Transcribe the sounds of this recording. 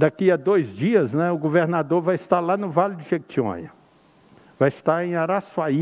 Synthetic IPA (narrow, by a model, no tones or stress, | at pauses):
d̪akiɐd̪ojzd͡ʒiɐznɛ̃ʊɡoveɾnad̪oɾvajɪst̪aɾlanʊvalɪd͡ʒɪʃek̚t͡ʃiõ̰ɲɐ̰ | vajɪst̪aɾẽj̃aɾaswai